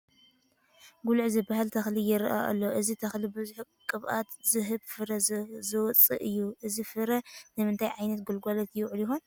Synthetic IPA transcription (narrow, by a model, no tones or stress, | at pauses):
ɡulʕzɨbahalt̪ʰɐxlijɪɾʔa̰ʔa̰lːoʔɨzit̪ʰɐxlibɨzuħ | kʼɨβʔa̰t̪zɨɦɨbfɨɾɐzɨwɔt͡sʼɨ̰ʔɨjːuʔɨzifɨɾɐnɨmɨnt̪ʰajʕajnɐt̪̚ɡɨlɡalɐt̪jɛwʕuljɪhon